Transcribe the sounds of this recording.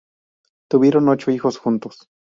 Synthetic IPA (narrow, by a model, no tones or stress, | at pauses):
t̪uβiɾonːot͡ʃoixosxunt̪os